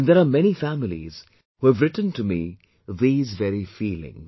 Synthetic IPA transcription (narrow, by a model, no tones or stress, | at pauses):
nðɛɾamɛñifæmɪlḭz̥ | huævɾɪʈn̩tɨmḭ | ðiːzvɛɾifiːlɪ̰̃ŋz